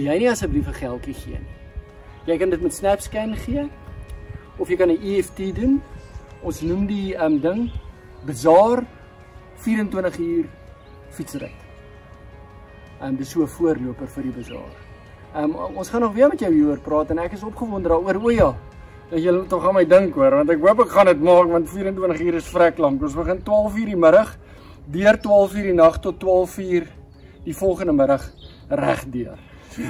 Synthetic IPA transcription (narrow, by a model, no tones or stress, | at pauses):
əlˠjɛjniɐsəbrifəχælˠtiχiəni | jəjkɐndətmɛtsnæpskænχiə | ɔfjəjkɐniʔiɛftiːdunɔnsnumdiəmdəŋ | bəzɑːr | fiːɾəntwəntəχiːr | fitsərə̰t | əmdəsuəfuərluəpərfərdibəzɑ̰ːr | əmɔ̃nsχɑnːɔχbiərmɛtjəwiːuərprɑːtɛnækəsɔpχəvɔndərdɑːuəɾuəjɑ | əsjələtɔχɐnməjdəŋkuəɾvɐntækɦuəpəkχɐnətmɑːkvɐntfiːɾəntwəntəχiːɾəsfrɛklɐmpɔ̃nsbəχəntwɑːlˠfiːrdiməɾɐχ | dyərtwɑːlˠfiːrdinɐχtɔtːwɑːlˠfiːr | d̥ifɔlˠχəndəməɾəχ | ræχdyər